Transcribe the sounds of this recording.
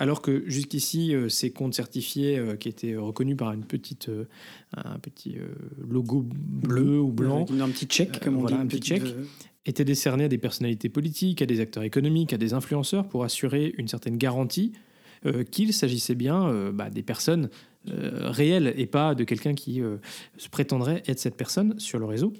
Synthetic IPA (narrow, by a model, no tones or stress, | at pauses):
alɔʁkəʒyskʲisiøsekɔ̃t̪sɛʁt̪ifjeøkʲiet̪ʰɛøʁəkɔnypaʁynpət̪ʰit̪ʰø | ɛ̰̃ɛ̰̃pət̪ʰḭø̰lɔɡobløublɑ̃pt̪it͡ʃɛkkɔvwalãpit͡ʃɛk | et̪ɛd̪esɛʁnead̪epɛʁsɔnalit̪epɔlit̪ikad̪ezak̚t̪œʁekɔnɔmikad̪ezɛ̃flyɑ̃sœʁpuʁasyʁeynsɛʁt̪ɛnɡaʁɑ̃t̪i | økʲilsaʒisɛbjɛ̃øba̰d̪epɛʁsɔn | ø̰ʁeɛlepad̪əkʲɛlkʲɛ̃kʲʰiøsə̥pχet̪ɑ̃d̪ʁɛʔɛt̪χsɛt̪̚pɛʁsɔnsyʁləʁezo